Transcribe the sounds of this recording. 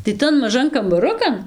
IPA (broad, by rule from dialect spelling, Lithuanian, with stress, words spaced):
tɐɪ ˈtɐn mɐˈʒɐn kɐmbɐˈrʊkɐn